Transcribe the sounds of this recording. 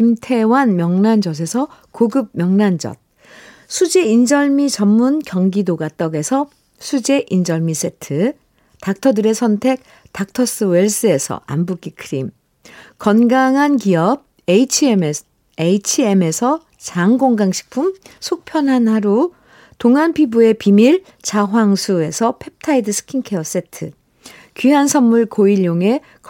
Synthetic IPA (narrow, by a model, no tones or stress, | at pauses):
imtʰe̞wanmjʌŋnand͡ʑʌs̬ʰe̞sʰʌkoɡɯb̚mʲjʌŋnand͡ʑʌ̰t̚ | sʰud͡ʑe̞ind͡ʑʌɭmit͡ɕʌmːunkjʌŋɡidoɡat͈ʌɡe̞sʰʌ | sʰud͡ʑe̞ʔind͡ʑʌɭmis͈ʰe̞tʰɯ | tak̚tʰʌdɯɾe̞sʰʌntʰe̞k̚ | tak̚tʰʌs͈ɯwe̞ɭs͈ɯe̞sʰʌ̰ambuk͈ikʰɯɾim | kʌnɡaŋɦankiʌb̚ | eit͡ɕʰim | eit͡ɕʰie̞me̞sʰʌ | t͡ɕaŋɡoŋɡaŋɕʰi̥k̚pʰumsʰok̚pʰjʌnɦanhaɾo | toŋɦanpʰibue̞pimiɭ | t͡ɕaɦwaŋsʰue̞sʰʌpʰe̞p̚tʰaidɯsʰɯ̥kʰiŋkʰe̞ʌs͈e̞tʰɯ | kiɦansʰʌmːuɭkoiʎjoŋe̞ | k